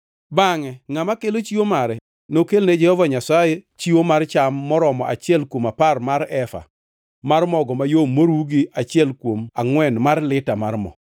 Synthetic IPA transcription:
baŋɛŋamakelot͡ʃiwomaɾɛ | nokelned͡ʒɛhɔvaɲasajet͡ʃiwomaɾt͡ʃamːɔɾɔmɔʔa̰t͡ʃɪɛlkwomaparmaɾɛfa̰ | marmɔɡɔmajomːoɾwuɡiat͡ʃɪɛlkwomaŋwɛnmarlɪtamarmɔ̰

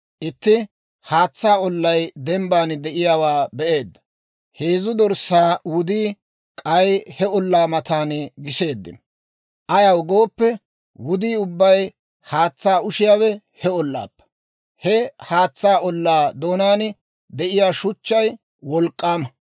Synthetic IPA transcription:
ʔɪt̪ːɪ | haːt͡sːaːɔlːɐjd̪ɛmbaːnd̪ɛʔɪjaːwaːbɛʔe̞ːd̪ːɐ̥ | heːzʊd̪ɔɾsaːwʊd̪iː | kʼɐjhɛɔlːaːmɐt̪aːnɡɪse̞ːd̪ːɪ̰n | ʔɐjɐwɡo̞ːpːɛ | wʊd̪iːʊbːɐj | haːt͡sːaːʊʃɪjaːwɛ | hɛɔlːa̰ːpːɐ̥ | hɛhaːt͡sːaːʔɔlːaːd̪o̞ːnaːn | d̪ɛʔɪjaːʃʊt͡ʃːɐj | wɔlkʼːaːmɐ

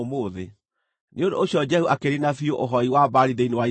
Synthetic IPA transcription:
moːðe | nʔeondo̰oɕjɔd͡ʒɛhuʔakeɾinafioʔoɦɔiwabaɾiðeinewai

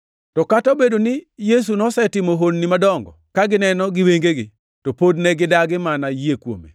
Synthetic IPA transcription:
tɔkataobedonɪjes̬unɔsɛtɪmoɦonːimadɔŋɡɔ̰kaɡɪnɛnɔɡɪweŋɡeɡɪ | topodnɛɡɪdaɡɪmanajekwo̰mḛ

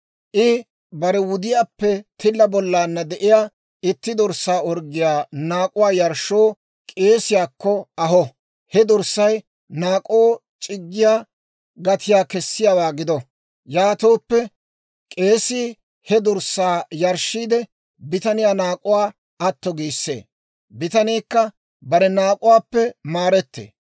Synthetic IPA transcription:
ʔɪ | bɐɾɛwʊd̪ɪjaːpːɛt̪ʰɪlːɐbɔlːaːnːɐd̪ɛʔɪjaː | ɪt̪ːɪd̪ɔɾsaːɔɾɡɪjaːnaːkʼʊwaːjɐɾʃːoː | kʼe̞ːsɪjaːkːɔɐɦɔ | hɛd̪ʊɾsːɐj | naːkʼoːt͡ʃʼɪɡːɪjaː | ɡɐt̪ʰɪjaːkɛsːɪjaːwaːɡɪd̪ɔ | jaːt̪oːpːɛ | kʼe̞ːsiː | hɛd̪ʊɾsːaːjɐɾʃːiːd̪ɛ | bɪt̪ɐnɪjaːnaːkʼʊwaː | ɐt̪ːɔɡiːsːḛː | bɪt̪ɐniːkːɐ | bɐɾɛnaːkʼʊwaːpːɛmaːɾɛt̪ːḛː

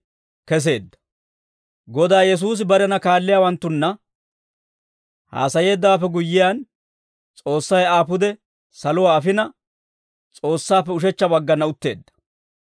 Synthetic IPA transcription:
kɛs̬e̞ːd̪ːɐ̥ | ɡɔd̪aːjɛs̬uːs̬ɪbɐɾɛnɐkaːlːɪjaːwɐnt̪ːʊnːɐ | ha̰ːsɐje̞ːd̪ːaːfɛɡʊjːɪjan | t͡sʼo̞ːsːɐjaːpʊd̪ɛ | sɐlʊwaːɐfɪnɐ | t͡sʼo̞ːsːaːpːɛʊʃ̬ɛt͡ʃːɐbɐɡːɐnːɐʊt̪ːe̞ːd̪ːɐ̥

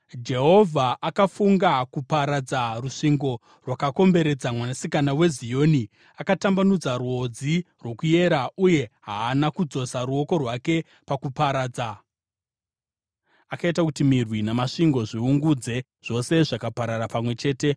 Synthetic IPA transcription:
d͡ʒe̞ɦo̞vʱaʔakafuŋɡakupaɾad͡zaruʂiŋɡo̞ | rwakako̞mbe̞ɾe̞d͡zamwanasikanawe̞zijo̞ːni | akatambanud͡zaruo̞d͡zi | rwo̞kuje̞ɾauje̞ɦaːnakud͡zo̞saɾuo̞ko̞rwake̞ | pakupaɾaːd͡za | akaitakutimirwinamaʂiŋɡo̞ʐiuŋɡud͡ze̞ | ʐ̥o̞se̞ʐakapaɾarapamwe̞t͡ʃe̞ːte̞

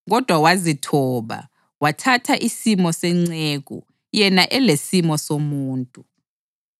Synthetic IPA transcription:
ɣɔd̥ʱwawazitʰɔːβa̰ | watʰatʰaʔisimɔsɛŋ͡ǀeɣṵ | jɛnaʔɛlesimɔsomuːntʼu

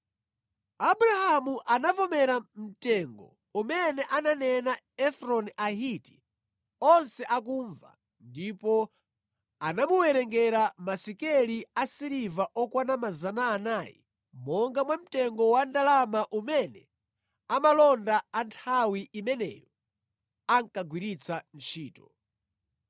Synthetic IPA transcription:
abuɾahamuʔanavɔmɛɾam̩tɛŋɡɔ̰ | umɛnɛʔananɛna | ɛfɾɔnaɦiti̥ | ɔnsɛʔak̬uɱva̰ | ndipɔ | anamuwɛɾɛŋɡɛɾamasikɛliasiɾivaʔɔkwanamazanaːnaːjḭ | mɔŋɡamwam̩tɛŋɡɔwandalamaʔumɛnɛ | amalɔndaantʰawiʔimɛnɛ̰jɔ | aŋkaɡwiɾit͡sʰant͡ʃʰiːtɔ̥

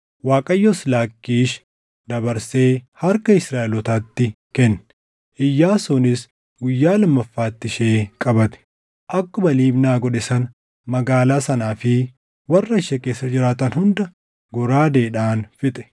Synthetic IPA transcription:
waːkʼɐjːɔslaːkːiːʃ | d̪ɐbɐɾse̞ːhɐɾkɐɪsɾaːʔɛlɔt̪aːt̪ːɪ | kɛnː | ʔɪjːaːsɔnɪs | ɡʊjːaːlɐmːɐfːaːt̪ːɪʃeːkʼɐbɐt̪ɛ̥ | ʔɐkːɔbɐliːbnaːɡɔᶑɛsɐn | mɐɡaːlaːsɐnaːfɪ | wɐrːɐɪʃɛke̞ːsːɐd͡ʒɪɾaːt̪ɐnhʊnd̪ɐ | ɡɔɾaːd̪eːᶑaːnfɪt̪ʼɛ̥

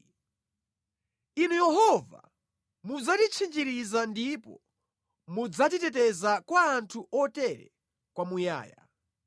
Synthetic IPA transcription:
inujɛhɔva̰ | mud͡zatit͡ʃʰind͡ʒiɾizandipɔ̰ | mud͡zatitɛtɛzakwaːntʰuʔɔtɛɾɛ̰ | kwamuja̰ːja̰

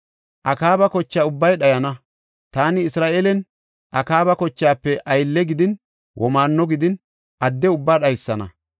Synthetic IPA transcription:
ʔɐkaːbɐkɔt͡ʃːaːʊbːɐjɗɐjɐnɐ | t̪aːnɪɪsɾaːʔelɛn | ʔɐkaːbɐkɔt͡ʃːaːpːɛʔɐjlːɛɡɪd̪ɪn | wʔɔmaːnːɔɡɪd̪ɪn | ʔɐd̪ːɛʊbːaːɗɐjsːɐnɐ̰

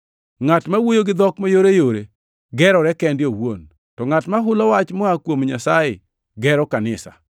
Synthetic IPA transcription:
ŋatmawojoɡɪd̪ɔkmajoɾejoɾe | ɡɛɾɔɾɛkɛndjowon | tɔŋatmaɦʊlɔwat͡ʃmɔakwomɲasajɪ | ɡɛɾɔkanɪsa̰

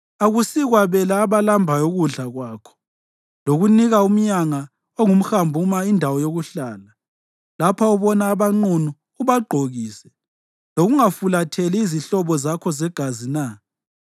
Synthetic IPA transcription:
aɣusiɣwaβɛlaːβalambʱajoɣuɮaɣwaːkʰɔ̥ | loɣuniɣaum̩ɲaŋa | oŋum̩xambʱumaindʱawɔjoɣuɬaːla | lapʰaɔβɔnaːβaŋ͡ǀunuː | βaɡ͡ǃʱoɣiːsɛ | loɣuŋafulatʰɛliiziɬɔβɔzakʰɔzɛɡ̥ʱazina

